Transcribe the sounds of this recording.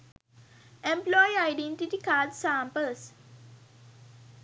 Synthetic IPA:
ẽmplɔjaɪɖẽɳʈiʈikaːɖsãːmpəls

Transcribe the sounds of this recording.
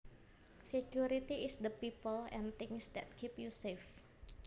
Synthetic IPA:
sekjuɾit̪iɪsd̪əpipəlɛ̰̃nt̪ɪŋsd̪ɛ̰t̪̚kʰipjusef

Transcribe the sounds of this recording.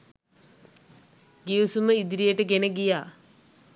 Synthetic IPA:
ɡiusuməid̪ɾijəʈəɡenəɡijaː

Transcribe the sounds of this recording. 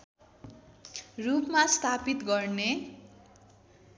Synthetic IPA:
rupmast̪ʰapit̪ɡʌrne

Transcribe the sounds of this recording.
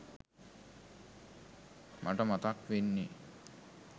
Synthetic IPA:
mʔaʈəmat̪akʋenːi

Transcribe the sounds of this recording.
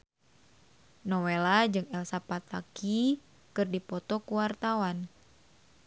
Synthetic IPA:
nɔwelad͡ʒɨŋɛlsapat̪aki | kɨrdipɔt̪ɔkuwart̪awan

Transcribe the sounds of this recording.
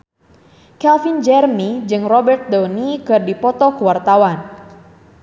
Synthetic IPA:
kɛlfind͡ʒɛrnid͡ʒɨŋrɔbɛrt̪̚dɔnikɨrdipɔt̪ɔkəwart̪awan

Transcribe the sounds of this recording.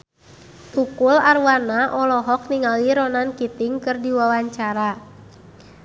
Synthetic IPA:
t̪ukularwanaʔɔlɔɦɔk̚niŋaliɾɔnankit̪ɪŋkɨrdiwawaɲt͡ʃaɾa

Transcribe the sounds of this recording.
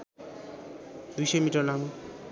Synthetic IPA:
d̪ujsʌjmiʈʌrlamu

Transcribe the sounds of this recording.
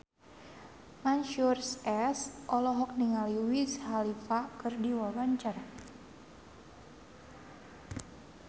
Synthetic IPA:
manʃursɛsʔɔlɔɦɔk̚niŋaliwishalifakɨrdiwawaɲt͡ʃar

